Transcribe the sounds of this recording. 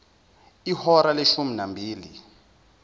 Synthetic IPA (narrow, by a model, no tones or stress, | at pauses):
ihɔɾaleʃuminambʱiːli